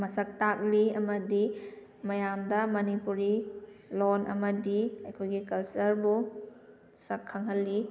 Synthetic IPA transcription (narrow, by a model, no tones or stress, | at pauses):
mɐsɐk̚tak̚liɐmɐdi | mɐjamdɐmɐnipuɾilonʔɐ̰mɐdiɐjkʰojɡikɐlsɐɾbu | sɐkʰːɐŋɦɐlːi